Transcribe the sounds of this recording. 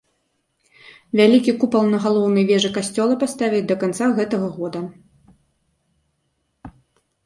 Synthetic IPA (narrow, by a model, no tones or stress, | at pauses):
vʲalʲikʲikupɐlˠnɐɣalˠɔwnɐjvʲɛʐɨkasʲt͡sʲɔlˠɐpast̪avʲid̪ɐkant̪saɣɛt̪ɐɣɐɣɔd̪ɐ